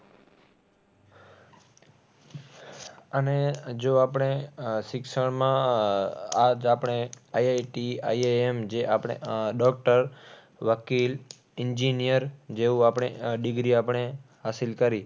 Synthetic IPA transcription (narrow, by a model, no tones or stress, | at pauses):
əned͡ʒoapəɽeʃɪkʃəɭmã | ad͡ʒapəɳ̃eajajʈia̰jeemd͡ʒeʔapɽ̃ḛɖɔk̚ʈəɾ | ʋəkil | ɪɲd͡ʒinijəɾd͡ʒeũapɳ̃eɖɪɡɾiapəɳe | ɦasilkəɾi